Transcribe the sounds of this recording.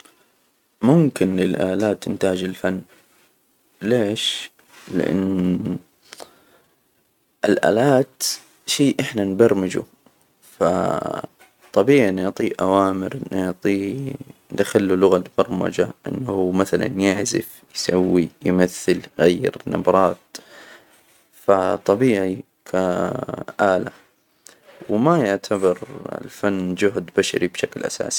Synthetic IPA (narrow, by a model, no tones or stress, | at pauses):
mʊmkɪnlɪlʔaːlaːt̪ːɪnt̪aːd͡ʒɪlfanː | leːʃ | lɪʔa̰nː | ʔɪlʔa̰ːlaːt̪ | ʃiːʔɪħnanbɑɾˤmɪd͡ʒṵ | fa̰ | t̪ˤːɑbiːʕinʊʕt̪ˤiːʔawaːmɪɾnʊʕt̪ˤiː | d̪axalːulʊɣalb̥ɑɾˤma̰d͡ʒaʔɪ̰nːhuːmaθala̰njɪʕzɪ̰f | jsawːijmaθːɪlɣajːɪ̰ɾnɑ̰bɾˤɑːt̪ | fat̪ˤɑbiːʕi | kʰa | ʕaːla̰ | wmajɪʕt̪ʰabɪɾ̰lfanːd͡ʒʊɦd̪baʃaɾibʃaklʔa̰sa̰ːsi̥